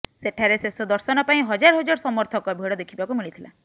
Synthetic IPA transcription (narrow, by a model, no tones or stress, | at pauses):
seʈʰaɾesesɔd̪ɔɾsɔnɔpaĩɦɔd͡ʒaɾɔɦɔd͡ʒaɾɔsɔmɔɾt̪ʰɔkɔbʱeɽɔd̪ekʰibakumiɭit̪ʰila̰